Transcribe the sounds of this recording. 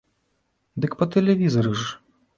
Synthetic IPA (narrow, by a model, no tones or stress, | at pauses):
d̪ɨkpɐt̪ɛlʲɛvʲizɐɾɨʐ